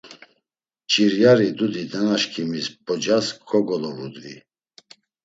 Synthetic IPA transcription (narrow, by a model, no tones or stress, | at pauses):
t͡ʃʼiɾjaɾid̪ud̪id̪ɛnaʃkʰimisbʰʼɔd͡ʒaskʰʼɔɡɔlɔvṵd̪vḭ